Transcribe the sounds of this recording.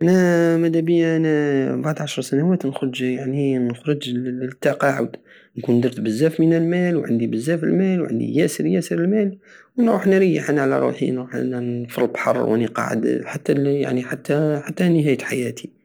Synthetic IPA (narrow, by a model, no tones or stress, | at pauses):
ʔænæmæd̪æbijæʔænæbaʕd̪ʕaʃɾˤsænæwæːt̪nxɾd͡ʒjaʕninəxɾɨd͡ʒt̪ːɑqɑʕa̰d̪ | nkund̪ɑɾˤt̪bəzːæfmənəlmælwʕa̰nd̪ibəzːæfəlmælwʕa̰nd̪ḭjæsəɾjæsəɾəlmælwənɾuħnɾijːəħʔanʕlæ̰ɾˤṵːħḭnɾuħʔæ̰nænfəɾbħɑ̰rˤːwʔæniqɑ̰ʕə̰d̪ħat̪ːæja̰ʕniħat̪ːæħat̪ːænəɦæjət̪ħajæt̪ʰi